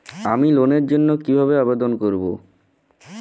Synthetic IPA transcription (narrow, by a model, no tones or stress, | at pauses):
amiloneɾd͡ʑonːokibʱaβeabed̪onkoɾbo